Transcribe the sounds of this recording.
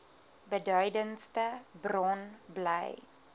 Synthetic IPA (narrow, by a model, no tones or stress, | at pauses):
bədœɥdənstəbrɔnbləj